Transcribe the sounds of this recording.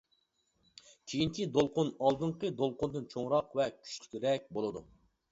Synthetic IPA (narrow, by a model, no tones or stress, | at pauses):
kʲʰejint͡ʃʰid̪olˠqʊnɑlˠd̪ɨɴqəd̪olˠqʊnd̪ɨnt͡ʃʰoŋɾɑqvɛkʲʰy̥ʃlʰʲy̥k̪ʲiɾɛk̚ʲbolˠɨd̪u